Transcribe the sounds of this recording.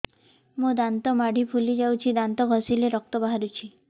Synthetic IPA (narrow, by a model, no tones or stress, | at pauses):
mũd̪ant̪ɔmaɽʱipʰulid͡ʒawt͡ʃʰid̪ant̪ɔɡʱɔsileɾɔk̚t̪ɔbaɦaɾut͡ʃʰi